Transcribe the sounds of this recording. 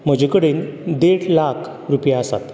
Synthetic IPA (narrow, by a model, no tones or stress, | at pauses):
m̤əd͡ʑʱekəɽeːnd̪eɽlakʰ | ɾupjaəsa̰t̪